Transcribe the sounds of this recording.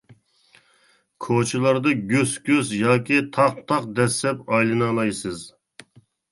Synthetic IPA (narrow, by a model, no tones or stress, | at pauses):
kʰot͡ʃʰilˠɑɾd̪ɨɡʲøskʲøzjɑːkʲit̪ʰɑq̚t̪ʰɑqd̪ɛsːɛpɑjlˠɨnɑlˠɑjsɨz